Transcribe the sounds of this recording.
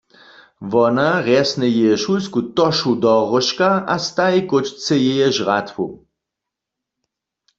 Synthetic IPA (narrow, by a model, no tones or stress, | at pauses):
ʋɔnaʁɛsnɛjɛjɛʃulskut̪ɔʃud̪ɔʁɔʃkaʔast̪ajkot͡ʃt͡sɛjɛjɛʒʁat̪wṵ